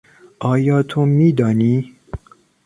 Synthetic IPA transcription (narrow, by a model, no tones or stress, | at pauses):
ʔɒːjɒːt̪ʰomiːd̪ɒːniː